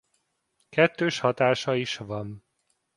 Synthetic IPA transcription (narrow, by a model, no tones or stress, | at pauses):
kɛt̪ːøːʃhɒt̪aːʃɒiʃʋɒn